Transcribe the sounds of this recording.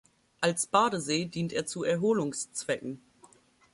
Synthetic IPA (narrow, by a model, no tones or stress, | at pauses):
ʔalsb̥aːɾəzeːdiːnteːɐt͡suɛɐɦoːlʊŋst͡sv̥ɛkŋ̩